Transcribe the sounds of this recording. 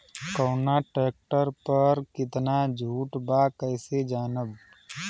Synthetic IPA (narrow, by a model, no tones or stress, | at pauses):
kəːnaʈɾeːk̚ʈəɾpəɾkɪt̪nad͡ʒʱuːʈbaːkəːsed͡ʒaːnəb